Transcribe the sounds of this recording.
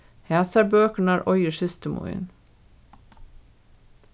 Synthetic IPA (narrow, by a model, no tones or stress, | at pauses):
hæːsæɾbøːkəɳ̩æːɾʔɔʏəʃɪst̪əmʔʊ̰ɪ̰n